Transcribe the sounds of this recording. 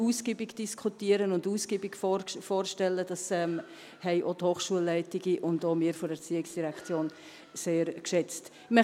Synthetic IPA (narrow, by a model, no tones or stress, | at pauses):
uːsɡ̥ibiɡd̥iskχutiəɾənʊnduːsɡ̥iːbiɡffoːɾʃtɛlːəd̥ɑsɛm | hɛɪʔoːthoːχʃuəlːɛɪtɪɡiʔʊndoːmiːɾfoɾɛɾt͡siːɪksd̥iɾɛkt͡sjoːn | seːɾkʃɛt͡st | mɛ